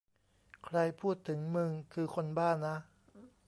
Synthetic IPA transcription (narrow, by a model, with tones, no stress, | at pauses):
kʰɾa˧jpʰuː˥˩t̪ʰːɯ˩˦ŋmɯ˧ŋkʰɯː˧kʰo˧nbaː˥˩nːa˦˥